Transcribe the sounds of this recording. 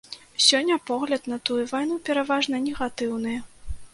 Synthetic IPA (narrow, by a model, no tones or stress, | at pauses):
sʲɔnʲːɐpɔɣlʲɐd̪nɐt̪ujuvajnupʲɛɾavaʐnɐnʲɛɣat̪ɨwnɨjɐ